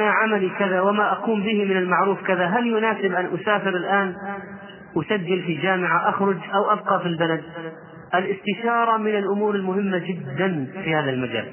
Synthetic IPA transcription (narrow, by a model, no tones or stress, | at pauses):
aʕamalikɪðawɪmaʔaquːmbɪhimɪnalmaʕɾuːfkɪðaɦaljʊnaːsɪbʔanʔʊsaːfɪɾɪlʔaːn | wɪsad͡ʒːɪlfid͡ʒaːmɪʕaʔaxɾʊd͡ʒʔawʔab̚qɑfilbalad̪̚ | ʔɪlʔɪst̪ɪʃɑːɾˤɑmɪnɪlʔʊmuːɾɪlmʊhɪmːad͡ʒɪd̪ːanfihaːðalmad͡ʒa̰ːl